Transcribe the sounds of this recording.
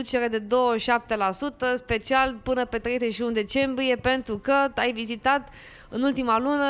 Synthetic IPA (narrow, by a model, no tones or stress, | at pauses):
ut͡ʃe̞ɾed̪e̞d̪o̞wəʃap̚t̪e̞lasut̪əspe̞t͡ʃialpɨnəpet̪ɾe̞jzet͡ʃʃiund̪e̞t͡ʃe̞mbɾije̞pe̞nt̪ɾukət̪ajvizit̪at̪ | ɨnult̪imalunə